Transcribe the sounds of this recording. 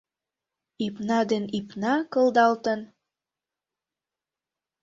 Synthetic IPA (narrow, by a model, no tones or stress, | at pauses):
ipnɑd̪enipnɑkɤ̆ld̪ɑlt̪ə̆n